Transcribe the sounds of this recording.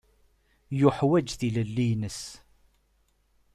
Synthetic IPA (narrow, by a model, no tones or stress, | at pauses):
jʊħwæd͡ʒθiləlːinəs